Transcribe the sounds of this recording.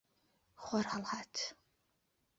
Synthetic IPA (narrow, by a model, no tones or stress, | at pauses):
χʷɔralʁaːtʰ